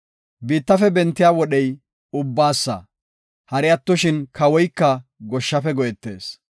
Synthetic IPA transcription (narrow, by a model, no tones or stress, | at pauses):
biːt̪ːɐfɛbɛnt̪ːɪjaːwɔɗɛj | ʊbːaːsːɐ̰ | hɐɾɪjɐt̪ːɔʃɪnkʰɐwɔjkːɐɡɔʃːɐfɛɡɔjɛt̪ːe̞̰ːs